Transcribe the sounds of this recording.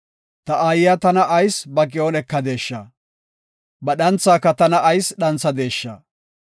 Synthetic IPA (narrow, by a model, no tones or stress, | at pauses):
t̪ɐʔaːjɪjat̪ɐnɐʔɐjsbɐk̬ʼɪoːnɛkːɐd̪e̞ːʃːa̰ | bɐɗɐnt͡sːaːkːɐt̪ɐnɐʔɐjsɗɐnt͡sːɐd̪e̞ːʃːa̰ː